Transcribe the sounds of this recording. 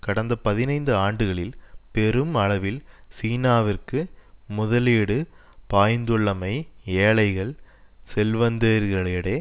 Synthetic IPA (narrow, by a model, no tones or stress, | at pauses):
kɐɽɐnd̪ɐpɐðɪnɐɪnd̪ɯaːɳɖɯɣɐɭɪlpɛɾɯmɐɭɐʋɪlsiːnaːʋɪrkɯmʊðɐleːɽɯ | paːjnd̪ɯɭːɐmɐɪeːɭɐɪɣɐɭsɛlʋɐnd̪eːɾɣɐɭeɽeː